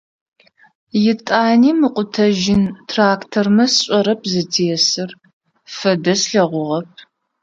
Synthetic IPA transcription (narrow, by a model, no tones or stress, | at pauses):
jɪtʼaːniːmɨqʷʼʊtʰɐʒɪntʰraːktʰormɐsɕʷʼɔɾɐpʰzɨtʰeːɛsɨr | fɐdɐsɬɐʁʷʊʁɐp̚ʰ